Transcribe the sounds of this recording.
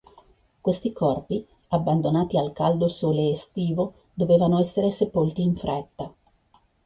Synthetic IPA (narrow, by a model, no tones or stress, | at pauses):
kwest̪ikɔrpi | abːand̪onaːt̪ialkald̪osoːleːst̪iːvo | d̪oveːvanoɛsːeɾesepolt̪iːɱfɾɛt̪ːa